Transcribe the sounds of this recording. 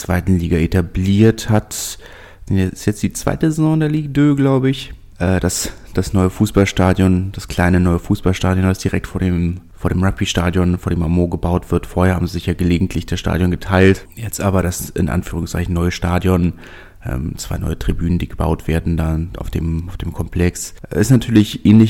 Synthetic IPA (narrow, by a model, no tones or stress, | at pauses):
t͡sv̥aɪtn̩liːɡaʔetabliːɐthat | d̥ɛnjɛɪstjɛt͡std̥iːt͡sv̥a̰ɪtəzɛzɔ̃ndeːɐliːɡdøːɡlaʊbəɪç | ʔɛːd̥as | d̥asnɔʏəfuːsb̥alʃtaːdjɔnd̥askl̥aɪnənɔʏəfuːsb̥alʃtaːdjɔnvasd̥iʁɛk̚tfoːɐdeːmfoːɐɾeːmʁapiʃtaːdjɔnfoːɐɾeːmʔamoːɡəbaʊtv̥ɪɐtfoːɐheːɐhaːbmzizɪçjaːɡəleːɡŋ̩tʰlɪçd̥asʃta̰ːdjɔnɡətʰaɪlt | jɛt͡stʔaːbɐɾasʔɪ̰nʔa̰nfyːʁ̞ʊŋst͡sa̰ɪçn̩nɔʏəʃtaːdjɔn | ʔɛ̰ːmt͡sv̥a̰ɪnɔ̰ʏətʁ̥ibyːnəndiːɡəba̰ʊtv̥eːɐdn̩daʔa̰ʊfd̥ḛːmaʊfd̥eːmkʰɔmpʰl̥ɛksʔɪstnatʰyːɐlɪçʔeːnlɪç